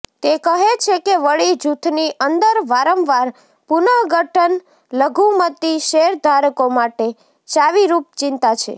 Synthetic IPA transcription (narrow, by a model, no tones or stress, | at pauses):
t̪ekəɦet͡ʃʰekeʋəɭid͡ʒut̪ʰniʔənd̪əɾʋaɾəmʋaɾ | punəɦɡəʈʰən | ləɡʱumət̪iʃeɾd̪ʱaɾkomaʈe | t͡ʃaʋiɾup̚t͡ʃɪnt̪at͡ʃʰḛ